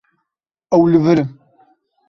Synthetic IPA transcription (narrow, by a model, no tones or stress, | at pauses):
æwləvɾəm